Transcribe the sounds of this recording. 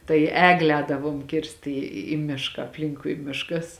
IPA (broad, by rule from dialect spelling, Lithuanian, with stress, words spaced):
tɐɪ ˈæːɡlʲeː ˈɛːdɐʋuɔm ˈkʲɪrst iː iː ˈmʲɪʃkɑː ɐpʲˈlʲɪŋkʊɪ ˈmʲɪʃkɐs